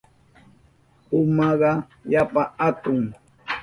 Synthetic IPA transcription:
ʊmɑɢɑ | japaat̪ʊŋ

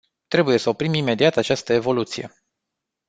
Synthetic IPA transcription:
t̪ɾe̞buje̞səopɾimime̞d̪iat̪at͡ʃast̪əe̞vo̞lut̪sije̞

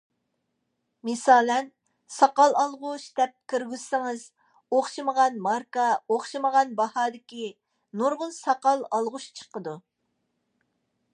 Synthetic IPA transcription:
mesɑːlɛn | sɑqɑlˠɑlˠʁʊʃd̪̥ɛp̚kʲʰiɾɡʲyzsɪŋɪz | oχʃɨməʁɑnmɑɾkɑoχʃɨməʁɑnbɑhɑːd̪ɪkʲi | nuɾʁʊlˠsɑqɑlˠɑlˠʁʊʃt͡ʃʰə̥qəd̪u

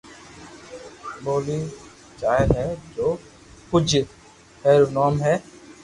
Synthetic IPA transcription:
boːliː | t͡ʃaːəlɦɛːd͡ʒoː | pʊd͡ʒ | heːɾuːnɔːmɦɛː

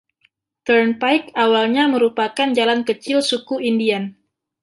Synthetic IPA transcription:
t̪ərnpajkawalɲaməɾupakand͡ʒalankət͡ʃɪlsukuindian

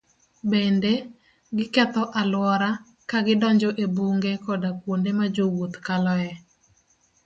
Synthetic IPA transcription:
bende | ɡɪkɛt̪ɔʔalwɔɾa | kaɡɪdɔɲd͡ʒɔʔebuŋɡekɔdakwondemad͡ʒowot̪kalɔɛ

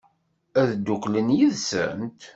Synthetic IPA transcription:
æðd̪ːʊklənjiðsə̰nt̪

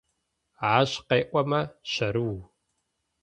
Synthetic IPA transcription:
ʕaːɕqeːʔʷɔmɐɕɐɾɨw

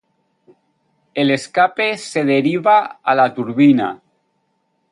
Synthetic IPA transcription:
eleskapeseðeɾiβaalat̪uɾβina̰

